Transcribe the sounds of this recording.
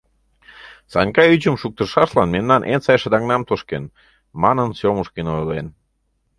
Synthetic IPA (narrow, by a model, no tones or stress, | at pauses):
sɑ̰nʲkɑyt͡ɕəmʃuk̚t̪ə̆rʃɑʃlɑnmemnɑnʔensɑjʃəd̪ɑŋnɑmt̪oʃken | mɑnənsoməʃkinojlen